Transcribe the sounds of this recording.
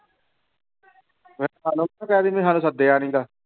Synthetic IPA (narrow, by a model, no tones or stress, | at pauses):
ʋɛɦaːnũːãːkɛːd̪iːmẽːɦãːnũːsəd̪eːaːnĩːd̪aː